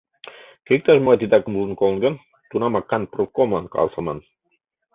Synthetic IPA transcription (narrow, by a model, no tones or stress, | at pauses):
kek̚t̪ɑʒmoʁɑt̪it̪ɑkə̆muzɤnkolˠɤ̆nɡɤn | t̪unɑmɑkːɑnprokomlˠɑnkɑ̰lˠsɑmɑ̰n